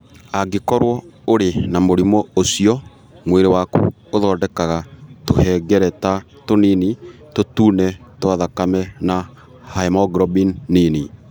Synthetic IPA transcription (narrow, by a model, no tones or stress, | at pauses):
aɡekɔɾwɔoɾenamoɾimɔosiɔ | mweɾewakṵ | oðɔːdɛkaɣatohɛːɡɛɾɛta | tonini | totuːnɛtwaðakamɛna | haemɔɡɾɔbinːini